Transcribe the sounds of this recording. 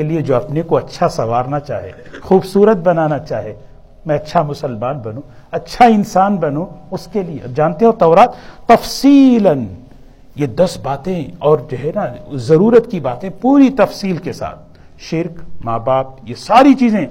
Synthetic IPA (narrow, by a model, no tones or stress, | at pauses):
elied͡ʒoːɐpnekoɐtːʃʰasɐʋaːɾnat͡ʃa̰ːɦḛːxuːbsuːɾət̪̚bɐnaːnat͡ʃaːɦeː | mɛ̃ɐtːʃʰamʊsəlmaːnbɐnũɐtːʃʰaɪnsaːnbɐnũʊskelied͡ʒaːnt̪eɦẽt̪ɔːɾaːt̪ːɐfsiːlɐn | jed̪ɐsbaːt̪ẽɔːɾd͡ʒoɦɛnazɐɾuːɾət̪kibaːt̪ẽpuːɾit̪ɐfsiːlkesa̰ːt̪̚ | ʃɪɾkmaːbaːp̚jesaːɾit͡ʃiːzẽ